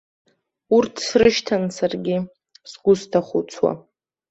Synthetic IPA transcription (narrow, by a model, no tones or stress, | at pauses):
urtʰsrɨʃtʰansarɡʲɪ | sɡʷʊstʰaχʊt͡sʰwa̰